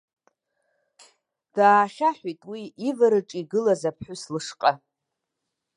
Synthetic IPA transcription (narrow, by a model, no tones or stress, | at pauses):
d̥aːχʲaħʷᶣijtʼwiivaɾɨʈ͡ʂʼiɡɨlazapʰħʷᶣʊslɨʂqʼa